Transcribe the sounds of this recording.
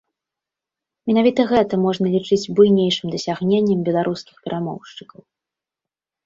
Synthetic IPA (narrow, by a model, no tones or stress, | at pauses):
mʲɛnavʲit̪ɐɣɛt̪ɐmɔʐnɐlʲit͡ʂɨd͡zʲbujnʲejʂɨmd̪ɐsʲaɣnʲenʲːɛmbʲɛlˠaɾʔuskʲixpʲɛɾʔamɔ̰wʂt͡ʂɨkɐw